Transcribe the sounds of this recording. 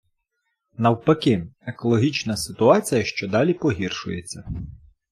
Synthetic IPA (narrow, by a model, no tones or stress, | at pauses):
nɐwpɐkɪekɔlˠɔɦʲit͡ʃnɐsɪt̪ʊɑt͡sʲijɐʃt͡ʃɔd̪ɑlʲipɔɦʲirʃʊjet͡sʲːɐ